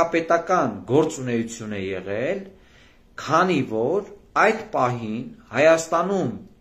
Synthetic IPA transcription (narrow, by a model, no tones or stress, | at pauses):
ɑpɛt̪ɑkɑnɡɔɾt͡sunɛjut͡sʰjunɛjɛ̰ʁɛl | kʰɑnivɔɾ | ɑjd̪pɑɦinhɑjɑst̪ɑnum